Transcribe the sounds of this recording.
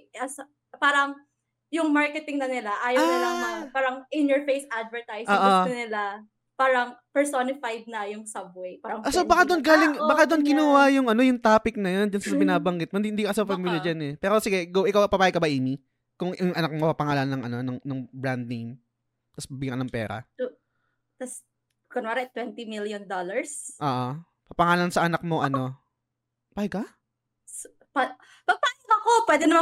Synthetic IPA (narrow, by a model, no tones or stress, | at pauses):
ɐs | paːɾɐŋ | jʊŋmaɹkɛt̪ɪŋnɐnɪlaʔaːjɐawnɪlanɐpaːɾɐŋʔɪnjɔɹfejsʔad̪vɛɹt̪ajsoːʔoɐnɪla | paːɾɐŋpɛɹsonɪfajd̪̚nɐjʊŋsɐb̚wejpaːɾɐŋsobɐkad̪onɡaːlɪŋbɐkad̪onkɪnʊwajʊŋʔɐno̞jʊŋt̪aːpɪk̚nɐjond͡ʒʊnsɐbɪnaːbɐŋɡɪt̪̚mɐɪd̪iɪnd̪ikɐkɐsɐfɐmiljɐd͡ʒɐnɛpɛːɾo̞sɪɡɛɡowʔɪkawpɐpaːjɐɡkːɐbɐʔiːmi | kʊŋʔɐŋɐnɐk̚mopɐpɐŋaːlɐnːɐŋɐnonɐŋnɐŋbɾand̪̚nem | t̪ɐsbɐbɪɡaknɐŋpɛ̰ːɾɐ̰t̪u | t̪ɐs | konmaɾɐt̪wɛnt̪imiljɔnd̪olɐɹsʔoːʔo | pɐpɐŋaːlɐnsɐʔɐnɐk̚mo̞ʔɐno̞ | paːjɪɡ̚kɐ | s | pa | pɐpaːjɪɡɐkopwɛːd̪ɪnɐma